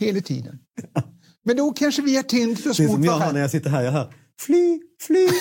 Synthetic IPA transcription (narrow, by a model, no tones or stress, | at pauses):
heːlat̪ʰḭːd̪ə̰n | mɛnd̪ɔkʰanʂəvɪaʈʰɪnd̪fəɾsmmɔɔmːnæɾjasɪt̪ːəɾɦæːɾjaɦœ̰ːɾ | flyːflyː